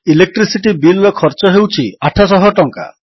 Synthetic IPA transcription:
ilek̚ʈɾisiʈibilɾɔkʰɔɾt͡ʃɔɦewt͡ʃʰiaʈʰasɔɦɔʈɔŋka̰

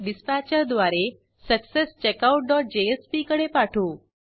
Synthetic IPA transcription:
ɖɪspæt͡ʃəɾd̪ʋaɾe | səksest͡ʃekauʈ̚ɖɔʈ̚d͡ʑeespikəɽepaʈʰũː

